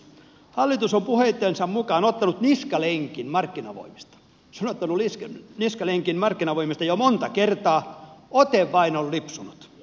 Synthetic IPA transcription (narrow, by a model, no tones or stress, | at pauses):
hɑlːit̪usompuheit̪ːeːnsɑmmukɑːnot̪ːɑnut̪niskɑleŋkinmɑrkːinɑʋo̰imist̪ɑ̥ | sonot̪ːɑnuliskniskɑleŋkinmɑrkːinɑʋoimist̪ɑjomont̪ɑkert̪ɑːot̪eʋːɑinollipsunut̪